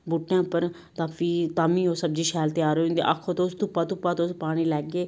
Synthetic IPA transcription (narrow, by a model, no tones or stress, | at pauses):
buʈːãːpəɾ | t̪aːfiːt̪aːmĩːoːsəb̚d͡ʒiːʃɛːlt̪eaːɾoːĩnd̪ḛːʔə̰kʰːoːt̪oʊst̪ʊpːãːt̪ʊpːaːt̪oːspaːɽ̃iːlɛːɡeː